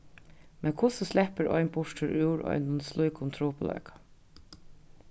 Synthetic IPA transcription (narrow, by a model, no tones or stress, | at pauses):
mɛnkʰʊsɔslɛpəɾɔ̰ʏnbʊʂʈ̪ʰɪɾʔʉːɹɔ̰ʏnʊnslujkʊnt̪ʰɾuːpʊlœ̰ːkḁ